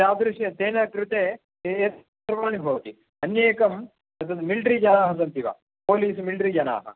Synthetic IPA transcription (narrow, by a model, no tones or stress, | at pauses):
aːd̪ɾuʃjɐt̪eːnɐkɾut̪eː | eːt̪ | ɾɐʋaːɳibʱɐːʋt̪i | ɐnjeːkɐm | ɐsɐmilɖɾid͡ʒɐnaːɦɐsɐnt̪iʋa̰ː | poːliːsumilɖɾid͡ʒɐna̰ːɦɐ̰